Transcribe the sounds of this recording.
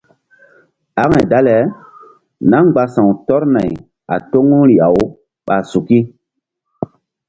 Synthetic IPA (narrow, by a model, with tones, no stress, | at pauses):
a˦ŋa˨jda˦lɛ˨˦ | na˦ŋɡ͡ba˨sã˨wtɔ˦ɾna˨j | a̰˨to˦ŋu˦ɾi˨a˨w | ɓa˨su˨ki˦